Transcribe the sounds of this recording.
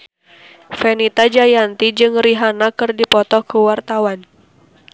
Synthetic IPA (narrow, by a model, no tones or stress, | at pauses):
fɛnit̪ad͡ʒajant̪id͡ʒɨŋriɦanakɨrdipɔt̪ɔkuwart̪awan